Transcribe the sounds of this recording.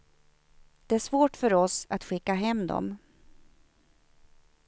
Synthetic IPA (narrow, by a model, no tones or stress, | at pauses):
d̪̥ɛæʂvoːʈfœɾɔsat̪ɧɪkːaɦɛmːd̪ɔ̰m